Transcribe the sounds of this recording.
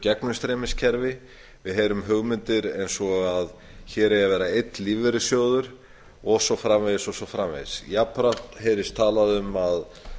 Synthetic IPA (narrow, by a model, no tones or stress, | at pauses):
cɛknʏst̪ɾɛːmɪscʰɛɾvɪ | vɪðɦeːɾʏmɦœɣmʏnt̪ɪɾejnsɔɣað | çɛːɾɛjavɛːɾaejt̪liːvɛɾʏsjoːwðʏɾ̥ | ɔsɔfɾamvɛðɪsɔsɔfɾamvḛjðsjapʰɾat̪hejɾɪst̪ʰaːlaðʏmað